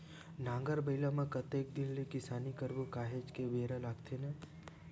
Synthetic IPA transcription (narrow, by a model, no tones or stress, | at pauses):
nãːŋɡəɾbəɪlamẽkɐt̪eːk̚d̪illikɪsaːnikəɾbukaːɦet͡ʃkebeːɾəlaːɡt̪ʰene